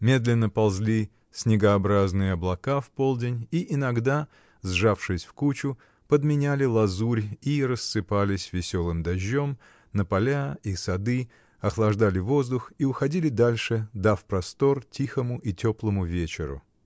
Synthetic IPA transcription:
mʲe̞d̪lʲɪnːəpɐlˠzʲlʲi | sʲnʲɪɡəɐbɾaznɨjəɐblˠɐkafpo̞lˠdʲɪnʲiʔɪnɐɡd̪a | zʐafʂɨsʲfkut͡ɕʊ | pəd̪mʲɪnʲælʲɪlˠɐzuɾʲiɾəsːɨpalʲɪsʲvʲɪsʲo̞lˠɨmd̪ɐʑʲːo̞m | nəpɐlʲaisɐd̪ɨ | ɐxlˠɐʐd̪alʲɪvo̞zd̪ʊxiʊxɐdʲilʲɪd̪alʲʂɨd̪afpɾɐst̪o̞rtʲixəmʊʔitʲo̞plˠəmʊvʲet͡ɕɪɾʊ̰

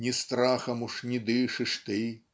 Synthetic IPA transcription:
nʲist̪ɾaxɐmuʂnʲid̪ɨʂɨʂt̪ɨ

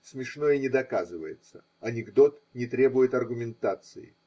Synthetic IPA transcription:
smʲɪʂnojɪnʲɪd̪ɐkazɨvə̰jɪ̰t̪sə | ɐnʲɪɡd̪o̞t̪nʲɪt̪ɾʲe̞bʊjɪt̪ɐrɡʊmʲɪnt̪at̪sɨjɪ̰

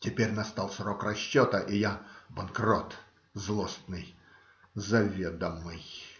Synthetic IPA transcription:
tʲɪpʲeɾʲnɐst̪ɑlˠsrokrɐɕːot̪əʔɪjabɐnkrot̪ | zlˠost̪nɨj | zɐvʲed̪əmːɨj

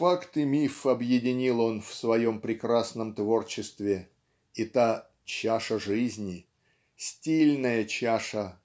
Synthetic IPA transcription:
fakt̪ɨmʲifɐbjɪdʲɪnʲilˠo̞nfsvɐjo̞mpɾʲɪkɾasnəmt̪vo̞rt͡ɕɪst̪vʲɪ | it̪a | t͡ɕaʂəʐɨzʲnʲɪ | sʲtʲilʲnəjət͡ɕaʂə

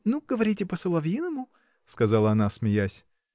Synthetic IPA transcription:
nuɡ̥əvɐɾʲitʲɪpəsəlˠɐvʲinəmʊ | skɐzɑlˠəɐnasmʲɪjasʲ

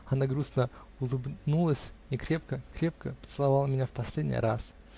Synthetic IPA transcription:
ɐnaɡɾusnə | ʊlˠɨbnulˠəsʲnʲɪkɾʲe̞p̚kəkɾʲe̞p̚kəpə̥t̪sɨlˠɐvɑlˠəmʲɪnʲafpɐsʲlʲedʲnʲɪ̰ɾas

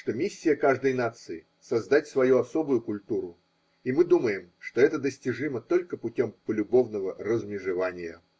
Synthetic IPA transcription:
ʂt̪o̞mʲisʲːɪjəkaʐd̪əjnat̪sɨɪ | sɐzd̪at̚ʲsvɐjuɐso̞bʊjʊkʊlʲt̪uɾʊ | imɨd̪uməjɪmʂt̪o̞ɛt̪əd̪əsʲtʲɪʐɨmət̪o̞lʲkəpʊtʲo̞mpəlʲʊbo̞vnəvərəzmʲɪʐɨvanʲɪjə̰

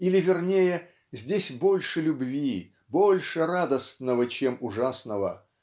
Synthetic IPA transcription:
ilʲɪvʲɪrnʲejə | zʲdʲesʲbo̞lʲʂɨlʲʊbvʲi | bo̞lʲʂɨɾad̪əst̪nəvət͡ɕemʊʐasnəvə̰

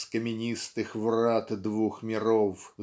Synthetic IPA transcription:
skɐmʲinʲist̪ɨxvrat̪d̪vuxmʲiɾɔw

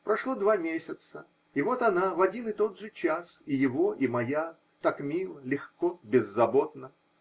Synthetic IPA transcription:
pɾɐʂlˠod̪vamʲesʲɪt̪sə | ɪvo̞t̪ɐnavɐdʲinɨt̪o̞d̪ʐɨt͡ɕasɪjɪvo̞ʔimɐja | t̪akmʲilˠəlʲɪxkobʲɪzːɐbot̪nə

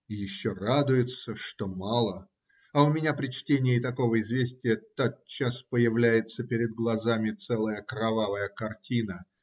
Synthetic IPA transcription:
jɪɕːorad̪ʊjɪt̪səʂt̪o̞mɑlˠə | ɐʊmʲɪnʲapɾʲɪt͡ɕtʲenʲɪjəɪt̪ɐko̞vəɪzvʲesʲtʲɪjət̪at̪̚t͡ɕːaspəjɪvlʲæjɪt̪səpʲɪɾʲɪd̪̚ɡlˠɐzamʲɪt̪sɛlˠəjəkɾɐvavəjəkɐrtʲinə

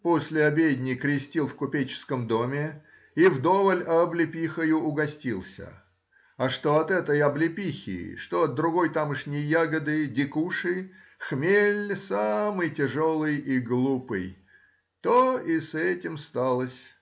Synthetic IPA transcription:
posʲlʲɪɐbʲedʲnʲɪkɾʲɪsʲtʲilˠfkʊpʲet͡ɕɪ̥skəmd̪omʲɪ | ivd̪o̞vəlʲɐblʲɪpʲixəjʊʊɡɐsʲtʲilˠsʲə̰ | ɐʂt̪oɐt̪ɛt̪əjɐblʲɪpʲixʲɪ̰ʂt̪oɐd̪̚ɾʊɡo̞jt̪amɨʂnʲɪjjaɡəd̪ɨdʲɪkuʂɨ | xmʲelʲsamɨjtʲɪʐo̞lˠɨjiɡlˠupɨj | t̪oisɛtʲɪmst̪alˠəsʲ

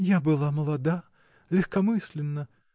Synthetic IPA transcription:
jabɨlˠaməlˠɐd̪a | lʲɪxkɐmɨsʲlʲɪnːə

